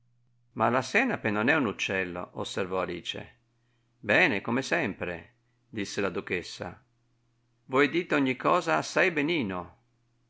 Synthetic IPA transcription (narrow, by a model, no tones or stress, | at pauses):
malasɛːnapenonɛunut͡ʃːɛlːo̰ʔosːervɔalḭːt͡ʃḛ | bɛːnekomesɛmpɾḛ | d̪isːelad̪ukesːa̰ | vwɔjd̪iːt̪oɲːikʰːɔːzaːsːajbeniːno